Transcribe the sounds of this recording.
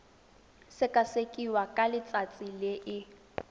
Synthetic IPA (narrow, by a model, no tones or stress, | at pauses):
sɪkʼasekʼiwakʼalɪt͡sʼat͡sʼilɪʔɪ